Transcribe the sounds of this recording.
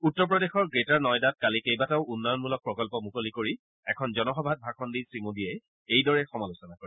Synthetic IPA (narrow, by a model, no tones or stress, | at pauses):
utːɔɹpɹɔdexɔɹɡɹitaɹnɔjdat̚kalikejbataʊunːɔjɔnmulɔk̚pɹɔkɔlpɔmukolikoɹi | ɛkʰɔnzɔnɔxɔbʱad̚bʱakʰɔndisɹimodiɛ | ejdɔɹɛxɔmalusɔnakoɹi